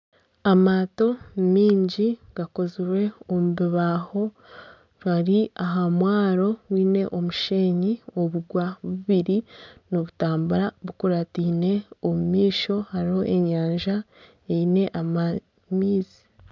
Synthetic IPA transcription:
amaːto̞miːɲɟiɡ̥ako̞ziɾwe̞omuβiβaːho̞ | ɾwaɾiaɦamwaːɾo̞wiːne̞ʔomuʃeːɲioβuɡwaβuβiɾinoβutaːmbuɾaβukuɾatiːne̞omumiːʃo̞haɾiho̞ʔe̞ɲaːɲʒa | eine̞ʔama | miːzi̥

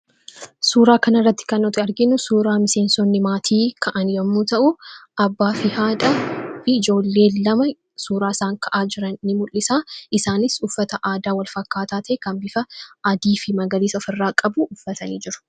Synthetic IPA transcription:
suːɾaːkɐnɐrːɐt̪ːɪ̥kɐnːɔt̪ɪɐɾɡɪnʊsuːɾaːmɪse̞ːnsɔnːɪmaːt̪ʰiːkʰɐʔɐnjɐmːuːt̪ɐʔʊʔɐbːaːfɪhaːᶑ̪ɐfɪːd͡ʒo̞ːlːe̞ːlɐmɐ | suːɾaːsaːŋkʰɐʔaːd͡ʒɪɾɐnːɪmʊlːɪsaːɪsaːnɪsʊfːɐt̪ɐʔaːd̪aːwɐlfɐkːaːt̪aːt̪eːkɐmbɪfɐʔɐd̪iːfɪmɐɡɐliːsɐfɪrːaːkʼɐbuʔʊfːɐt̪ɐniːd͡ʒɪɾʊ̥

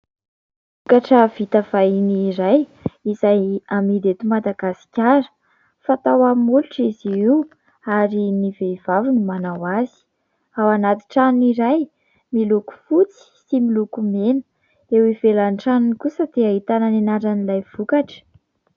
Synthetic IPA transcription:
v̥ukaʈ͡ʂəv̥it̪av̥ajniɾajizajamiɾet̪umad̪aɡasi̥kʲaɾə̥ | fat̪awammuluʈ͡ʂiziiw | aɾiniveiv̥avunumanawazi̥ | awanat̪i̥ʈ͡ʂaniɾaj | miluku̥fut͡si̥similukumenə̥ | ewivelanʈ͡ʂanunikusəd̪̥eaɦit̪ananenaɾanilajv̥ukaʈ͡ʂə̥

